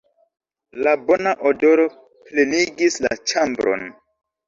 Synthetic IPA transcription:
labo̞naʔodo̞ɾo̞ | pleniɡisla̰t͡ʃambɾo̰n

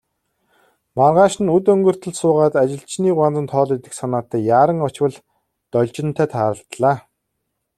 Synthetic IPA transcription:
marʁaːʃɪ̆nɵt̪ɵŋɡɵ̆r̥t̪ɵ̆ɮsʊːʁaːt̪at͡ɕɪ̆ɬt͡ɕniːɢwant͡sə̆nt̪ʰɔːɮet̪ɘ̆ksanaːt̪æːjaːɾə̆ŋɔt͡ɕwə̆ɮ | t̪ɔɮʲt͡ɕɪ̆n̥t̪ʰæːt̪ʰaːɾə̆ɬt̪ɮaː

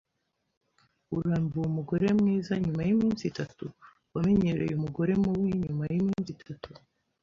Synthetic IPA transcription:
uɾaːmbuumuɡo̞ɾe̞mŋiːzaɲumajimiːnsitatu | wame̞ɲe̞ɾḛjumuɡo̞ɾe̞muwiɲumajimiːnsitʰatu

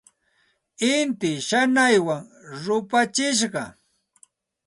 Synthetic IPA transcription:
ɪnt̪ɪʃanajwaŋɾʊpat͡ʃɪʃ̬ɢɑ

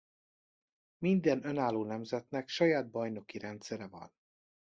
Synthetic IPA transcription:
mind̪ɛnø̞naːlːoːnɛmzɛt̪nɛkʃɒjaːd̪̚bɒjno̞kiɾɛnt̪sɛɾɛvɒ̰n

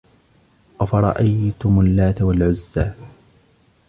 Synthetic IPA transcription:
ʔafɑɾˤɑ̰ʔajt̪ʊmʊlːaːt̪awalʕʊzːaː

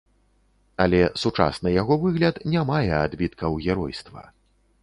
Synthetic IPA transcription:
ɐlʲɛsut͡ʂa̰snɨjaɣɔvɨɣlʲɐt̪nʲamajɛad̪bʲit̪kɐwɣʲɛɾɔjst̪vɐ̰

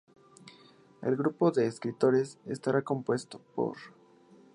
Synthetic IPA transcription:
e̞̰lɣɾupo̞ðe̞ːskɾit̪o̞ɾe̞sest̪aɾako̞mpwe̞st̪o̞̥po̞̰ɾ

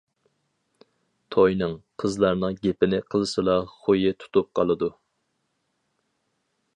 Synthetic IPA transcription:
t̪ʰojnɨŋqʰəzlˠɑɾnɨŋɡʲepɪnɪqʰəlˠɨsɨlˠɑχojɪt̪ʰu̥t̪up̚qʰɑlˠɨd̪u

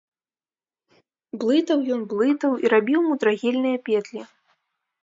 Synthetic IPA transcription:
blˠɨt̪ɐwjɔnblˠɨt̪ɐwiɾabʲiwmud̪ɾaɣʲɛlʲnɨjɐpʲɛd̪lʲi

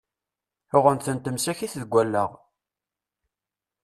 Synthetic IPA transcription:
ʊʁənθənt̪əmsæçiθðɡʷːælːə̰ʁ

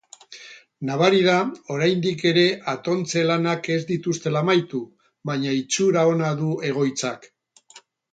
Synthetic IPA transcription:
naβaɾiðao̞ɾajnd̪ike̞ɾe̞ʔat̪o̞nt͡se̞lanake̞zd̪it̪ust̪e̞laːmajt̪u | βaɲait͡suɾao̞naðue̞ɣ̞o̞jt͡sak

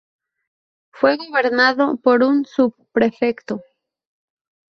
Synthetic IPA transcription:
fwe̞ɣoβe̞ɾnaðopo̞ɾunsubpɾe̞fekt̪o

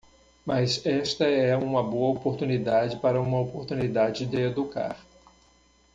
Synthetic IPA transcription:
mazɛst̪ɐɛũmɐboɐopoɾt̪unid̪ad͡ʒɪpaɾɐũmɐopoɾt̪unid̪ad͡ʒɪd̪ɪed̪uka̰ɾ

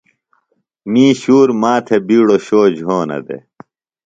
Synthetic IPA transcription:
mĩːɕuːɾmaːt̪ʰebiːɽoɕoːd͡ʑɦoːnɐ̰d̪ḛ

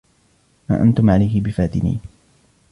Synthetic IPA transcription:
ma̰ːʔant̪ʊmʕalajhɪbɪfaːt̪ɪnḭː

